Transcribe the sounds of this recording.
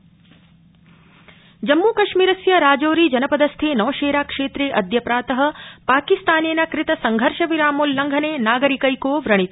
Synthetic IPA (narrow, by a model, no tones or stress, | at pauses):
d͡ʒɐmːuːkɐʃmiːɾɐsjɐɾaːd͡ʒoːɾiːd͡ʒɐnɐpɐd̪ɐst̪ʰeːnɔːʃeːɾaːkʂeːt̪ɾeːʔɐd̪ʱjɐpɾaːt̪ɐɦɐ̆paːkist̪aːneːnɐkɾɪt̪ɐsɐŋɡʱɐɾʃɐʋiɾaːmuːlːɐŋɡʱɐneːnaːɡɐɾikɐjkoːʋɾɐɳ̃it̪